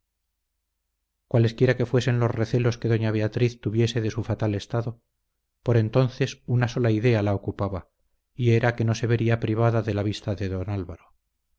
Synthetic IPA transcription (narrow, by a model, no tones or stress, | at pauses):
kwale̞skje̞ɾake̞fwe̞se̞nlo̞zreθe̞lo̞skeðo̞ɲaβe̞at̪ɾiθt̪uβje̞se̞ðe̞sufat̪ale̞st̪aðo̞ | po̞ɾe̞nt̪o̞nθe̞sunaso̞laiðe̞alao̞kupaβa | ie̞ɾake̞no̞se̞β̞e̞ɾiapɾiβ̞aðaðe̞laβ̞ist̪aðe̞ðo̞nalβaɾo